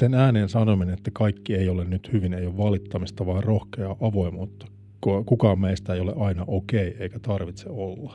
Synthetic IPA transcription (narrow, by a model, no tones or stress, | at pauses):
senæːneːnsɑnominenet̪ːækɑikːieiolennyt̪hyʋinejoʋʋɑlit̪ːɑmist̪ɑʋɑːrrohkeɑʔɑʋo̞imuːt̪ːɑ̥ | kokukɑːmmeist̪æejoleʔɑinɑʔokeieikæt̪ɑrʋit̪seolːɑ